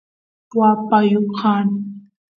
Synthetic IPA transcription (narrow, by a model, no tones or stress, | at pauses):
pwapajukʰan